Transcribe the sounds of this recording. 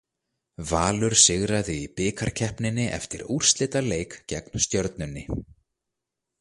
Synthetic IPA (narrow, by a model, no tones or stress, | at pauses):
vaːlʏɾ̥sɪɣɾaðɪipɪːkʰaɾ̥cʰɛhpnɪnːɪʔɛ̰ft̪ɪɾur̥st̪lɪt̪aleːjkcɛknst̪jœɾt̪̚nʏnːɪ